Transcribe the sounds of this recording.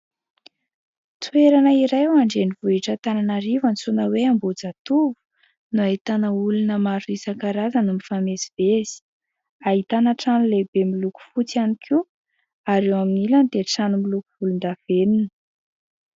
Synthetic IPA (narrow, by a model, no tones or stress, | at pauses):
t̪ueɾanəiɾajwaɳɖ͡ʐenivuiʈ͡ʂət̪ananaɾivənt͡sunəweambod͡zat̪uvu̥ | nuait̪anəulunəmaɾuisakaɾazanumifameziv̥ez̥i̥ | aɦit̪anaʈ͡ʂanulebemiluku̥fut͡sianikʰu | aɾewaminiland̪eʈ͡ʂanumilukuvulund̪av̥eninə̥